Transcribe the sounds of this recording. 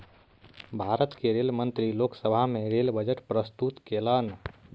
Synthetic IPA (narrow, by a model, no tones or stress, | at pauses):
bʱaɾət̪keɾelmənt̪ɾiloksəbʱamẽɾelbəd͡ʒəʈpɾəst̪ut̪kelən